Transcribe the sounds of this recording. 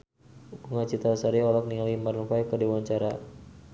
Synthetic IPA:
kuŋat͡ʃit̪asaɾiɔlɔk̚nialimarnfajkədewaɲt͡ʃaɾa

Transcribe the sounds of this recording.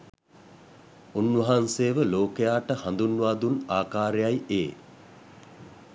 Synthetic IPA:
unʋɐɦanseːʋəloːkejaːʈəhand̪unʋaːd̪unaːkaːɾejajeː

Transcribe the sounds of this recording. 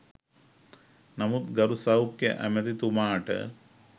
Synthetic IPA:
nɐmut̪ɡɐɾusɐwkjɐ̰ʔæ̰mɐt̪it̪umaːʈə̰

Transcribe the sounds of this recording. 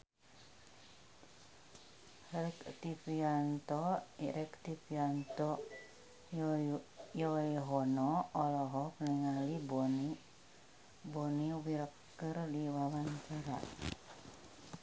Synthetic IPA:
ɾɛkt̪ipiant̪ɔiʔɛkt̪ipiant̪ɔ | jɔiɦɔnɔɔlɔɦɔpəniŋalibɔni | bɔniwiɾəkː | ɨrdiwawankaɾa̰

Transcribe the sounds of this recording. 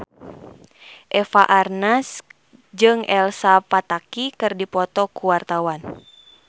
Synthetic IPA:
ʔɛfaʔarnas | d͡ʒɨŋɛlsapat̪akikɨrdipɔt̪ɔkuwart̪awan

